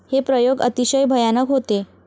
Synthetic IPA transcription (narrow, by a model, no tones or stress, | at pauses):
hepɾəjoɡə̰t̪iɕəjbʱəjanəkɦot̪e